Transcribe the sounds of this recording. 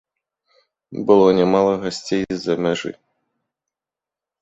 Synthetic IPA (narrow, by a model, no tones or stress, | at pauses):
bɨlˠɔnʲɛmalˠɔɣɐsʲtʲejzɐmʲɛʐɨ̰